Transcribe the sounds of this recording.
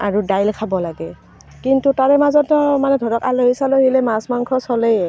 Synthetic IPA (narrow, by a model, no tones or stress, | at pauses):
aɹudajlkʰabɔlaɡɛ | kintutaɹɛmazɔtmanɛdʱɔdɔkaloɦisaloɦilɛmasmaŋkʰɔsɔlejɛ